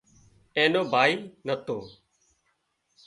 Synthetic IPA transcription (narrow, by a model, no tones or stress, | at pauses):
eːnoːbʱaːiːnət̪o̰ː